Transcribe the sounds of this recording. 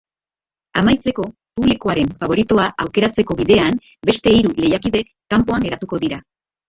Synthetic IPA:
amajt͡se̞ko̞ | puβliko̞aɾe̞ɱfaβ̞o̞ɾit̪oaʔawke̞ɾat͡se̞ko̞βiðe̞am | be̞st̪e̞iɾule̞jakiðe̞kːampo̞aŋɡe̞ɾat̪uko̞ðiɾa

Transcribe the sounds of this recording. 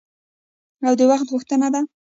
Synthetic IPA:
awd̪əwaxt̪ʁʊxt̪ənad̪a

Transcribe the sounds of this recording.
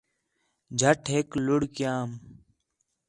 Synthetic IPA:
d͡ʒʱəʈʰɦeːklʊɽkjaːm

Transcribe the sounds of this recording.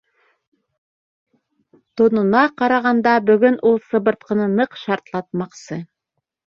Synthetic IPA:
t̪ŏnŭnɑqɑɾɑʁɑnd̪ɑbɵ̆ɡɵnʔulˠsɤ̆βɤ̆ɾt̪qɤ̆nɤnɤqʃɑɾt̪lˠɑt̪̚mɑqsɤ

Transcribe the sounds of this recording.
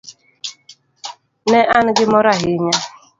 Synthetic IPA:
neʔanɪɡɪmɔɾaɦɪɲa

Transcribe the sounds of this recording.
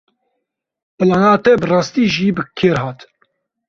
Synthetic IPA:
pɨlaːnaːt̪ɛbɨrɑːst̪iːʒiːbɨkʰeːɾɦɑːt̪

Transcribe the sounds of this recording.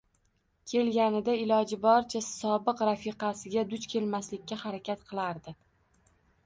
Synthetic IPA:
kʲʰe̞lɡʲanɪd̪aɪlɒd͡ʒɪbɒɾt͡ʃʰasɒbɨqɾafɪqɑsɪɡʲad̪ʊt͡ʃkʲʰe̞lmaslɪkʲːahaɾakʲat̪qʰɨlˠaɾd̪ɪ

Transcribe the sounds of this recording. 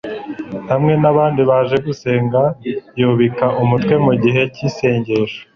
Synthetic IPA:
hamŋe̞naβaːndiβaʒe̞ɡuse̞ːŋɡajuβikaʔumutwe̞muɟiɦe̞cise̞ːɲɟe̞ʃo̥

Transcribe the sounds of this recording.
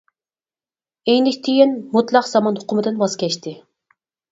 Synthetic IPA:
ejnɪkʲt̪ʰijinmut̪lˠɑqz̥ɑmɑnhʊqʰʊmɨd̪ɨnbɑz̥kʲɛʃt̪ɪ

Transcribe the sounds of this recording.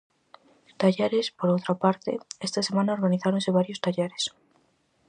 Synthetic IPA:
t̪aʎeɾespoɾowt̪ɾapaɾt̪ḛest̪asemãnaoɾɣaniθaɾõnseβ̞aɾjost̪aʎeɾes

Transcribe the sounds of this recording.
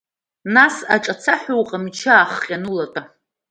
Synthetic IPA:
nasaʈ͡ʂʼat͡sʰaħʷuwqʼamit͡ʃʰaːχqʲʼanulatʼa

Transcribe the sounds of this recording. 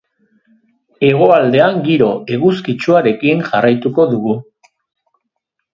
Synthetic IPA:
e̞ɣ̞o̞ald̪e̞aŋɡiɾo̞e̞ɣuskit͡ʃuaɾe̞kiŋʝarajt̪uko̞ðuɣu

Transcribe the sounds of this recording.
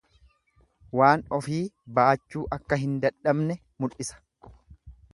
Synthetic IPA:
waːnɔfiːbaːt͡ʃːuːʔɐkːɐɦɪnd̪ɐᶑɐbnɛ | mʊlʔɪsɐ̥

